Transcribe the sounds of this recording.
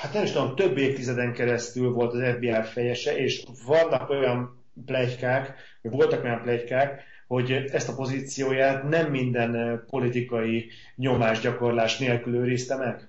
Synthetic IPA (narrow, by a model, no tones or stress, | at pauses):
hat̪nɛmiʃt̪ud̪̚t̪ø̞bːeːft̪izɛd̪ɛŋkɛɾɛst̪ylvo̞lt̪ɒzɛvbiaːrfɛjɛʃɛʔeːʃvɒnːɒko̞jɒm | plɛckaːk | ovo̞lt̪ɒko̞jɒmplɛckaːk | ho̞ɟɛst̪ɒpo̞zit̪sijoːjaːt̪nɛmːind̪ɛnpo̞lit̪ikɒji | ɲo̞maːʒɟɒko̞rlaːʃneːlkyløːɾist̪ɛmɛɡ̥